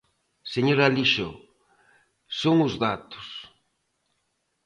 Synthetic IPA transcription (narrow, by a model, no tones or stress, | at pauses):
seɲoɾaliʃo | soŋʊzðat̪ʊ̥s